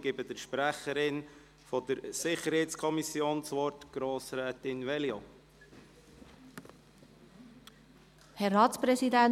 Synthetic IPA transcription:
ɡ̥ɪbədəɾʃpɾæχəɾɪn | fɔd̥əɾsɪχəɾhɛɪtskʰɔmisjoːnt͡sʋɔɾtɡ̥ɾoːsɾɛːtɪnvɛljo | pʰhɛrɑːtspɾɛsidæ

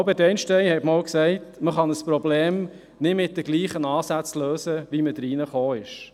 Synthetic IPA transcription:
ʊbədɛɪnʃtɛjhɛtmowksɛɪtməχɑnəspɾɔbleːm | nɪdmɪt̚dəɡliːχənɑːsæt͡sløːsəʋiməd̥ɾiːnəχoːɪʃ

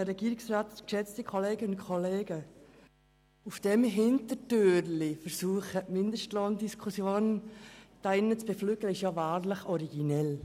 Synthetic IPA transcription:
əɾɛɡiːɾɪksraːtkʃɛt͡stəkʰoleːɡ̥əʊntkʰɔleːɡə | ufd̥ɛmɦɪntətøːɾlɪfəɾsuːχəmɪndəʃtlɔndiskʰusjoːnd̥aɪnːət͡sb̥eflyːɡləɪʃjɑvaːɾləχɔɾiɡinɛl

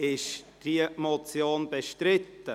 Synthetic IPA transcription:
ɪʃd̥iəmot͡sjoːnbeʃtɾɪt̪ːə

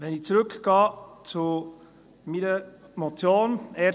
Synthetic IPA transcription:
ʋɛnɪçt͡suɾʏkɡ̥ɑːt͡su | miɾəmot͡sjoːnɛː

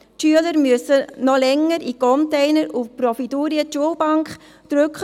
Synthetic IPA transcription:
tʃyələɾmyəsənɔlɛŋːəɾikɔntɛɪnəɾufpɾɔfiduːɾiətʃuəlbɑŋkχ | d̥̪ɾʏkχ

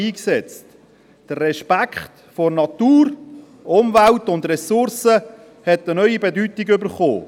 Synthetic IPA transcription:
iːksɛt͡st | d̥ərːɛʃpækχt | fornɑtuːɾ | ʊmvæltʊndrɛsʊɾsə | hɛtənœʏibɛdytiɡʏbəɾχo̰ː

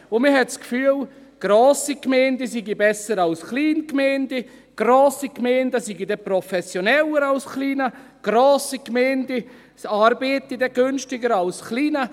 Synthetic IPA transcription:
ʊmiɦɛtskfyːəl | ɡ̥roːsikmɛɪndəsiɡibɛsəɾɑlsχliːnkmɛɪndə | ɡ̥roːsikmɛːndəsiɡidɛprɔfɛsjonɛləɾalsχliːnə | ɡ̥roːsikmɛɪndə | ɑːɾbeːtidɛɡ̥ʏnʃtɪɡəɾɑlsχliːnə

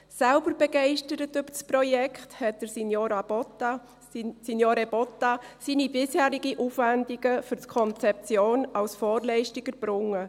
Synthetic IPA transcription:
sælbəɾbɛɡɛɪʃtəɾətʏb̥əɾsprɔjɛkχthɛt̚d̥əɾsinjoːɾɑ | sinjoːɾeb̥ɔtɑsiːnibɪshæːɾɪɡiʔufʋændiɡ̥əfʏɾtkʰɔnt͡sɛp̚t͡sjoːnɑlsfɔːɾlɛɪʃtiɡ̥əɾb̥rʊŋːə

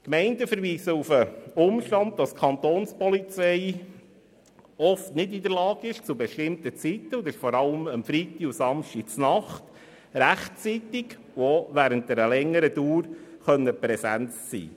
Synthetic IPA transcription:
kmɛɪntəfəɾʋiːsəufəʊmʃtɑnd̪̚d̥ɑskʰɑnt̪oːnspɔlit͡sɛɪ | ɔftnɪdid̪əɾlɑːɡɪʃt͡subɛʃtɪmt̪ət͡sit̪ːəʊdɪʃfɔɾɑləməmfɾit̪iusɑmʃtit͡snɑχt | ɾæχtt͡sit̪ɪɡ | oʋæːɾənt̚dɛɾəlɛŋːəɾəd̥uːɾχœnːəpɾɛsænt͡ssḭː

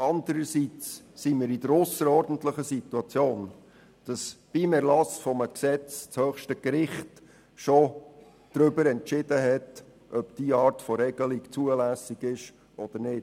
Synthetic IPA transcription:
ʔɑnd̪əɾəsit͡s | simiːɾidəɾʊsəɾɔɾdən̩tləχəsit̪uɑt͡sjoːn | d̥ɑsb̥imɛɾlɑsfɔməksɛt͡st͡shœːχʃtəkɾɪχt | ʃɔ | d̥ɾʏbəɾɛntt͡ʃɪdəɦɛt | ʔœpd̥iːɑːɾtfɔɾɛɡəlikt͡suəlæsiɡɪʃ | ʔɔd̪̥əɾnɪːd

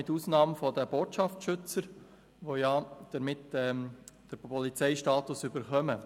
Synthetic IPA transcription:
ɪtuːsnɑːmfɔd̪əb̥oːtʃɑfʃʏt͡səɾ | ʋojɑd̥əɾmɪtɛd̥əɾɔlit͡sɛɪʃtɑːt̪ʊsʏbəɾχœmə

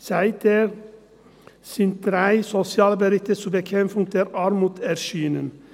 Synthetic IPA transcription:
sæɪt̪ʰəɾ | sint̪ɾæɪsɔsɪɑːlbəɾɪt̪əsubəkʰɛmfʊŋt̪ʰəɾɑːɾmuːt̪æɾʃiːnən

